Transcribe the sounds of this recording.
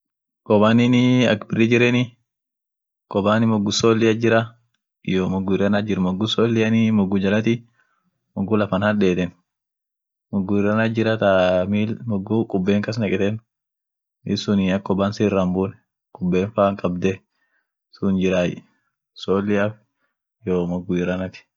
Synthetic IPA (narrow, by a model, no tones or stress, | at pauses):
kʼɔbaːnɪnɪɐ̰kbɪrːɪd͡ʒɪɾɛnɪ | kʼɔbaːnɪmɔɡːʊsoːlːɪjɐd͡ʒɪɾɐ | ɪjomɔɡːʊɪrɐnad͡ʒɪɾmɔɡːʊsoːlːɪjɐnɪmɔɡːʊd͡ʒɐlɐt̪i | mɔɡːʊlɐfɐnhɐɗeːt̪ɛn | mɔɡːʊɪɾɐnad͡ʒɪɾɐt̪amiːlmɔɡʊkʼʊbːeːŋkɐs̬nɐkʼɛt̪ɛn | ɪsʊnɪɐkːɔbaːnsiːrːɐmbun | kʼʊbːeːnfaːŋkʼɐbd̪ɛ | sʊnd͡ʒɪɾaːjɛ̰ | soːlːɪɐf | joːmɔɡʊɪɾɐnɐt̪ɪ̥